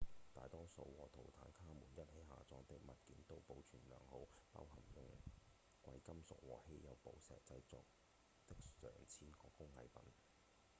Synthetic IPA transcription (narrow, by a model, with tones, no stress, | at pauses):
t̪a̰ː˨jt̪ɔː˥so˨˧˥wwɔː˨˩t̪ʰo˨˩wt̪ʰa̰ː˨˥nkʰaː˥muː˨˩njɐ˥t̚he˨˥jɦa̰ː˨t͡sɔː˧t̪ɪ˨˥k̚mɐ˨t̚kiː˨˥nt̪o˥wpo˨˧wt͡ʃʰyː˨˩nlœ̰ː˨˩ŋho˨˥wpa̰ː˥wɦɐ˨˩mjʊ˨˧ŋ | kʷɐ̰˧jkɐ˥msʊ˨k̚wɔː˨˩he˥jɐ˨˧wpo̰˨˥wsɛ̰ː˨k̚t͡sɐ˧jt͡sɔː˨˧k̚ | t̪ɪ˥k̚sœ̰ː˨˩ŋt͡sʰiː˥nkɔː˧kʊ˥ŋhɐ̰˨˧jpɐ̰˨˥n